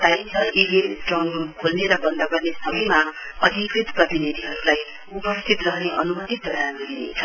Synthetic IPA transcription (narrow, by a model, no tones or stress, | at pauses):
t̪ajmt͡sʰʌʔibenʈrʌŋukʰolneɾʌbʌnd̪aɡʌrnesʌmʌjmaʌd̪ʱikrit̪prʌbinid̪ʱiɦʌɾulaj | upʌst̪ʰit̪rʌɦneʔʌ̰numʌt̪it̪̚dʌɾanɡʌɾinḛt͡sʰʌ